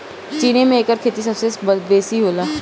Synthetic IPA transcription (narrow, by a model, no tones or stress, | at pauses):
t͡ʃiːnemẽeːkəɾkʰeːt̪is̬əbsebəbeːsiɦoːlaː